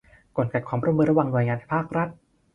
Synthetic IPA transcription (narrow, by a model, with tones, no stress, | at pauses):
ko˨˩nka˨˩kʰwaː˧mɾu˥˩˨mɯː˧˥nɾa˧wa˧ŋnu˧jŋaː˧nʰ˧˥˩pʰaː˥˩k̚ɾa˦˥t̪̚